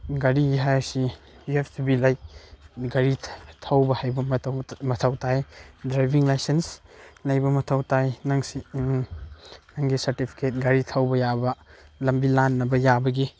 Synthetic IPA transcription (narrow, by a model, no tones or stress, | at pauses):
ɡɐɾiɡiɦajɾsi | juepʰtibilɐj | ɡɐɾitʰɐwbɐhajbɐmɐtʰɐwtʰajdɾajbiŋlajsenslɐjbɐmɐtʰɐwtajnɐŋsi | nɐŋɡisɐɾtipʰi̥ket̚ɡɐɾitʰɐwbɐjabɐlɐmbilanːɐbɐjabɐɡi